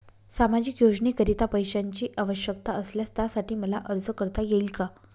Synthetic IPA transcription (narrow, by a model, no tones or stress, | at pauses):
samad͡ʑiːkjod͡ʑɳiːkəɾit̪apəjɕaɲt͡ɕiːʔaʋəɕjəkt̪aəsljast̪jasaʈiːməlaʔəɾd͡zəkəɾt̪ajeilka